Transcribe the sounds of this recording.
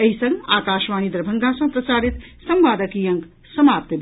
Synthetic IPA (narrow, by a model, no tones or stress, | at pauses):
ɐɦisɐŋɡaːkaːʃʋaːnid̪ɾɐbʱɐŋɡaːsɐ̃pɾɐsaːɾit̪sɐmʋaːd̪ɐkijɐŋk | sɐmaːp̚t̪jɐ